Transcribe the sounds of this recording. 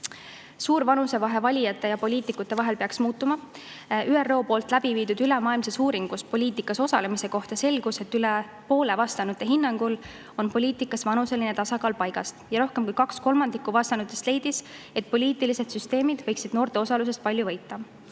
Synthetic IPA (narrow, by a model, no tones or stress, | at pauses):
suːɾvɑnuse̞vɑɦe̞vɑlʲijɑt̪ːˑe̞jɑpo̞lʲiːt̪ˑikːˑut̪ˑːe̞vɑɦe̞lpeɑksmuːt̪ːˑumɑ | ʔyːerːo̞ːpo̞ːlt̪ːˑlæb̥iviːd̪ud̪ylemɑːilmsesuːɾiŋɡ̥uspo̞lʲiːt̪ikːˑɑso̞sɑle̞mise̞ko̞ht̪ɑse̞lɡ̥use̞t̪ːˑyle | po̞ːle̞vɑst̪ɑnut̪ːˑe̞ɦinːɑŋɡ̥ul | o̞npo̞lʲiːt̪ˑikːˑɑsvɑnuse̞line̞t̪ɑsɑkɑːlpɑjɡ̥ɑst̪jɑɾo̞hke̞mkujkɑksko̞lmɑnd̪ikːˑuvɑst̪ɑnut̪ːˑest̪le̞jd̪̥is | e̞t̪̚ˑpo̞lʲiːt̪ːˑilise̞d̪̥syst̪e̞ːmid̪̥vɤjksid̪̥no̞ːrt̪e̞o̞sɑlus̬e̞st̪pɑlʲjuvɤjt̪ːˑɑ